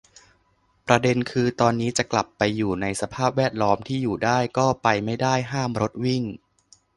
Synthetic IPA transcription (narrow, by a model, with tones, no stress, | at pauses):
pɾa˧de˧nkʰɯː˧t̪ɔː˧nːiː˦˥t͡ɕa˨˩kla˨˩pːa˧jːuː˨˩na˧jsa˧pʰaː˥˩p̚wɛː˥˩t̪̚lɔː˦˥mt̪ʰiː˥˩juː˨˩daː˥˩jkɔː˥˩pa˧jma˥˩jdaː˥˩jɦaː˥˩mɾo˦˥t̪̚wi˥˩ŋ